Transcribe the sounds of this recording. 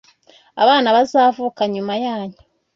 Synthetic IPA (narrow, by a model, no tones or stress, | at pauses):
a̰βaːnaβazaːvuːkaɲumajaːɲu̥